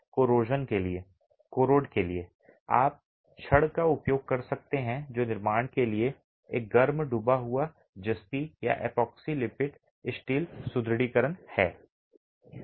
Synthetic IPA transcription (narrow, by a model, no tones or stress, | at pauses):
koːɾoːd͡ʒənkelie | koːɾoːɖkelie | a̰ːp̚ | ʃɐɽkaʊpjoːɡ̚kɐɾsɐk̚t̪eɦɛ̃d͡ʒoːnɪɾmaːɽ̃kelie | eːk̚ɡɐɾmɖubaɦʊa | d͡ʒɐst̪ija̰ʔɛ̰ːpɔːksilɪpɪʈ | ɪsʈiːlsʊd̪ɾɽiːkəɾənhɛ̰ː